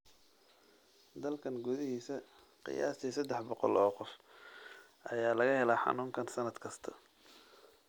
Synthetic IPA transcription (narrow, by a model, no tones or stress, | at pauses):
d̪ɐlkʰɐnɡʊðɪɦiːsɐ | qɪ̰ja̰ːst̪ʰiːsɐd̪ɛħbɔqɔ̰lʔɔːqɔf | ʔɐjaːlɐɣɐhɛlɐħɑ̰nuːŋkʰɐnsɐnɐd̪kʰɐst̪ʰɐ̥